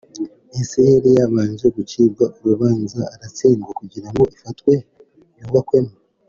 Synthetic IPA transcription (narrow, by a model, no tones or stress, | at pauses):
eseeɾejaβaːɲʒe̞ɡuciːbɡaʔoɾuβaːnzaːɾat͡siːnɡakuɟiɾaŋɡoʔifatwe̞ | njuːɡakwe̞ma